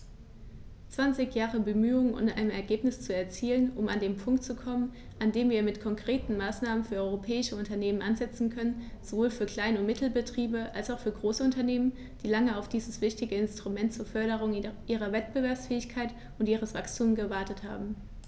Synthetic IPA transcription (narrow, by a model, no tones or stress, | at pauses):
t͡sv̥ant͡sɪçjaːʁəbəmyːʊŋənʊ̰ntʔa̰ɪnəmɛɐɡeːpnɪst͡suɛɐt͡siːlənʔʊma̰ndeːmpʰʊŋk̚tt͡sukʰɔmən | ʔandeːmviːɐmɪtkʰɔŋkʁ̥eːtn̩maːsnaːmənfyːɐʔɔʏʁopʰɛːɪʃəʊntɐneːmənʔanzɛt͡sn̩kʰœnənz̥ovoːlfyːɐkl̥aɪnʊmɪtʰl̩bətʁ̥iːbəʔalsaʊfyːɐɡʁoːsəʊntɐneːmən | d̥iːlaŋəaʊfd̥iːzəsv̥ɪçtɪɡəɪnstʁ̥umɛntt͡suːɐfœɐɾəʁ̞ʊŋʔiːʁ̞ɐvɛt̚b̥əvɛɐpsfɛːɪçkʰaɪt | ʊntʔiːʁ̞əsv̥akstʰuːmɡəvaɐtətha̰ːbm̩